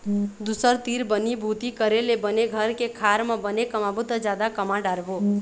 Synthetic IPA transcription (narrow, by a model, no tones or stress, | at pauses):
d̪usəɾt̪iɾbənibʱut̪ikəɾelebəneɡʱəɾkekʰaɾmẽbənekəmabut̪əd͡ʒjad̪akəmaɖaɾbo